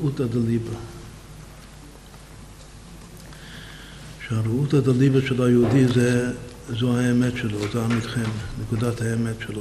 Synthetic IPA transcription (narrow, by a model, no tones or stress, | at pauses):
utadaliba | ʃeaɾuthadalibəʃɛlajəudizɛ | zohaemɛtʃɛlozeamitχɛmnekudat̪haemɛtʃɛlo